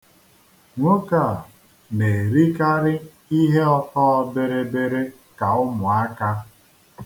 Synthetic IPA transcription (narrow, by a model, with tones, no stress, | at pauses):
ŋʷo˦ka˦˨ | ne˨ɾi˦ka˦ɾɪ˦ | i˦ɦe˦ɔ˦kɔ˦ɔ˦be˦ɾe˦be˦ɾe˦ | ka˨ʊ˦mʊ˨a˦ka˦